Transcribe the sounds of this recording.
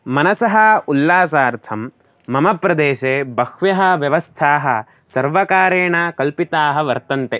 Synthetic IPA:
mɐnɐsɐɦɐulːaːsaːɾt̪ʰɐmː | ɐmɐpɾɐd̪eːʃeːbɐkʋjɐɦɐ̆ʋjɐʋɐst̪ʰaːɦɐ̰ | sɐɾʋɐkaːɾeːɳakɐlpit̪aːɦɐʋɐɾt̪ɐnt̪e

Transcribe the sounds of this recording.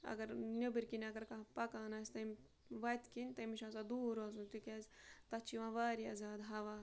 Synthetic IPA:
ɐ̰ɡɐɾnʲɐbɨɾʲkinɐɡɐɾkapɐkaːnaːsʲt̪ɐmʲ | ʋɐt̪kinʲt̪ɐmiʃãːsad̪uːɾɐzunt̪ukʲaːzʲt̪ɐt͡ʃʰiʋãːʋaːɾiɐ̰zaːd̪ɦɐʋaː

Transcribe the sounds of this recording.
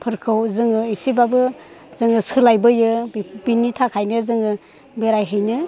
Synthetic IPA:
pʰɯɾkʰɯwzɯŋɯisibabɯzɯŋɯsɯlajbɯjɯbinitʰakʰajnɯzɯŋɯ | beɾajɦɯjnɯ

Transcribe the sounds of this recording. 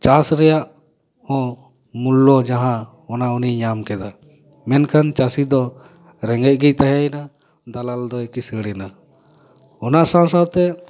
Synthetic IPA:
t͡ʃasɾɛjaʔ | hɔ̃ | mulːɔd͡ʒaɦã | ɔnauniɲamkɛd̪a | mɛnkʰant͡ʃasid̪ɔ | ɾɛŋɡɛc̚ˀɡɛc̚t̪aɦɛjna | d̪alald̪ɔekisəɽɛna | ɔnaʔsãwsawt̪ɛ

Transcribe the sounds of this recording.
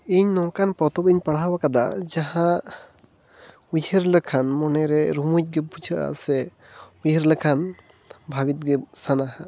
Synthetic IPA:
iɲnɔŋkanpɾɔt̪ɔpiɲpaɽawakad̪ad͡ʒaɦã | ujəɾləkʰanmɔnɛɾɛɾumuc̚ˀɡɛpud͡ʒʰʱaʔa̰ʔsɛ | ujəɾləkʰan | bʱabit̪̚ɡɛsanaɦa

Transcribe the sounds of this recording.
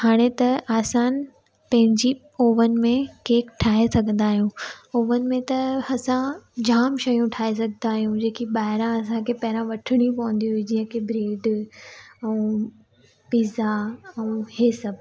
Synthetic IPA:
haːɽ̃et̪ɐaːsaːn | pɐ̃ɦɪ̃ɲd͡ʑi | oːʋənɪ̆mẽkeːkʈʰaːɦesɐɡʱə̃nd̪aːɦijũoːʋənɪ̆mẽt̪ɐɐsãd͡ʑaːmʃɐjũʈʰaːes̬ɐɡʱə̃nd̪aːɦijũd͡ʑeːkiɓaːɦɪɾãɐs̬ãkʰepɐɦɪɾãʋɐʈʰɪɽ̃ĩpɐʋə̃nd̪iɦʊɦid͡ʑiːə̃kʰebɾeːɖ | ɛ̃ː | piːzaɛ̃heːsɐb

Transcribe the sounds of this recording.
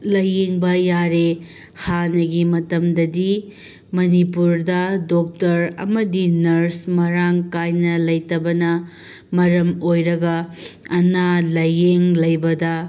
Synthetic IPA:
lɐjeŋbɐjaɾe | hanɐɡimɐtɐmdɐdi | mɐnipuɾdɐdok̚tɐɾɐ̰mɐdinɐɾsmɐɾaŋkajnɐlɐjtɐbɐnɐ | mɐɾɐmojɾɐɡɐɐnalɐjeŋlɐjbɐdɐ

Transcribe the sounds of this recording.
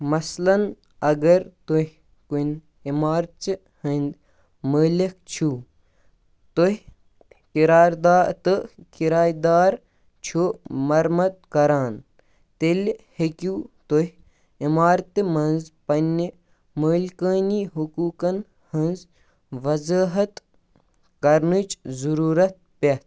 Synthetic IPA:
mɐslɐn | ɐɡɐɾt̪uhʲ | kun | imaːɾt͡ʃ | hɐnʲd̪ | məːlik̚t͡ʃʰuː | t̪oɦ | kiɾaːɾd̪aːt̪ɨkiɾaːjd̪aːɾ | t͡ʃʰumɐɾmɐt̪̚kɐɾaːn | t̪elhekʲuːt̪oɦʲ | imaːɾt̪ɨmɐnzpɐni | məːlkəːniːɦukuːkɐn | hɐnz | ʋɐzəːɦɐt̪ | kɐɾnɨt͡ʃzuɾuːɾɐt̪̚pʲet̪

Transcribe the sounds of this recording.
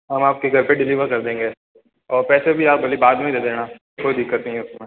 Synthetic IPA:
ɦɐmaːp̚kiɡʱɐɾpeɖɪliːʋəɾkɐɾd̪ẽːŋɡeː | ɔːɾpɛːsebʱiaːk̚bʱɐlibaːd̪mẽid̪eːd̪eːnaː | kʰoid̪ɪkːət̪nɐɦĩʊsmẽː

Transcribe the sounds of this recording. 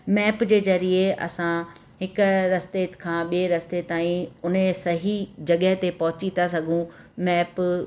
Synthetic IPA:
mɛːpd͡ʑeːzɐɾieʔɐ̰sã | ɦɪkʊɾɐst̪eːkʰãːɓieɾɐst̪et̪aːĩʊnesɐɦid͡ʑɐɠəɦt̪epɐɦʊt͡ɕit̪asɐɡʱũmɛːp

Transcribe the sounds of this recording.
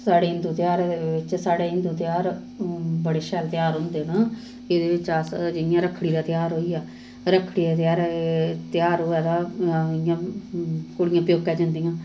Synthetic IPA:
saːɽeːɦɪnd̪uːt̪ɪjaːɾd̪eʋɪt͡ʃsaːɽeːɦɪnd̪uːt̪ɪjaːɾ | bəɽeːʃɛːlt̪ɪjaːɾɦʊ̃nd̪eːnã | ed̪eːʋɪt͡ʃaːsd͡ʒɪɪjãːɾəkʰɽiːd̪aːt̪jaːɾɦoːiːjaː | ɾəkʰːɽiːd̪aːt̪jaːɾt̪ɪjaːɾɦoːɛːd̪aːɪjãː | kʊɽɪjãːpjoːkːɛːd͡ʒənd̪ijãː

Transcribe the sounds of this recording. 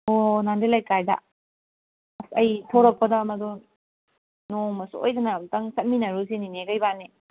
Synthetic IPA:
onandelajkajdɐ̰ | sɐjtʰoɾɔk̚pɐdɐːmɐdu | nomɐsuo̰jdɐnɐmtɐŋsɐt̚minɐɾuzinineɡɐjbanːi

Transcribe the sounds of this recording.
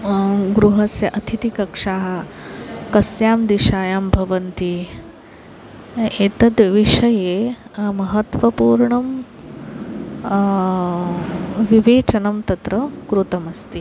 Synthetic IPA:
ɡɾuɦɐsjɐʔɐt̪ʰit̪ikɐkʂaːɦɐ | kɐsjaːmd̪iʂaːjaːmbʱɐʋɐnt̪i | eːt̪ɐd̪ʋiʂɐjeːmɐɦɐt̪ʋɐpuːɾɳɐm | ʋiʋeːt͡ʃɐnɐmt̪ɐt̪ɾɐkɾut̪ɐmɐst̪i

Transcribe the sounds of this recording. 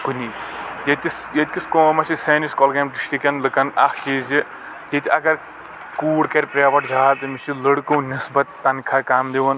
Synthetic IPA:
kunijet̪isjet̪ʲkiskoːmɐsisɐːniskɔːlɡɐmʈisʈikɐnlɨkɐnɐhkiːzi | jet̪ʲiɐɡɐɾ | kuːɽkɐɾʲpɾʲaːʋɐʈd͡ʒʱaːt̪ɨmit͡ʃiləɽkõːnisbɐt̪ːɐnkʰakaːmd̪iʋɐn

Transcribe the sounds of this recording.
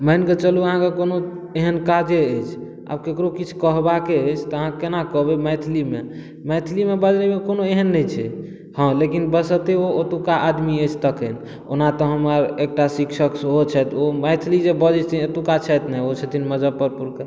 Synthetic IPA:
məjnket͡ʃəluəɦãkekono | eɦənkad͡ʒeəjt͡ʃʰ | a̰b̚kekɾokit͡ʃʰu̥kəɦbakeəjt͡ʃʰt̪ɔəɦãkenakəɦbemɛjt̪ʰlimḛ | mɛjt̪ʰlimebəd͡ʒnimekonoeɦənːəjt͡ʃʰɛ | hə̃lekinbəsət̪eoot̪ukaʔad̪miət͡ʃʰt̪əkən | o̰nat̪ɔɦəmaɾek̚ʈasiksəksɦot͡ʃʰɛt̪omɛt̪ʰlid͡ʒebəd͡ʒɛt͡ʃt̪ʰiot̪ukat͡ʃʰɛt̪nɛot͡ʃʰet̪ʰinməd͡ʒapəɾpuɾkə

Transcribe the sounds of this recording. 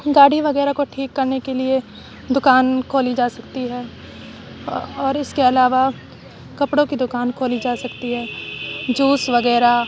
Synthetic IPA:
ɡaːɽiʋɐɡɛːɾakoʈʰiːkːɐɾnekelie | d̪ʊkaːnkʰoːlid͡ʒaːsɐkt̪iɦɛː | ɔːɾɪskeɐlaːʋa | kɐpɽõkid̪ʊkaːnkʰoːlid͡ʒaːsɐkt̪iɦɛːd͡ʒuːsʋɐɡɛːɾa

